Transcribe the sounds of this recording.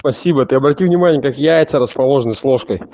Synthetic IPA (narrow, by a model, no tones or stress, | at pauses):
pɐsʲibət̪ɨɐbɾɐtʲivnʲɪmanʲɪjəkakjajɪt̪səɾəspɐlˠo̞ʐənəjslˠoʂkəj